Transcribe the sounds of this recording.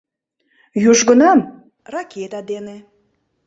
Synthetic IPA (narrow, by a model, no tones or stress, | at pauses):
juʒɣənɑm | rɑkʰet̪ɑd̪ene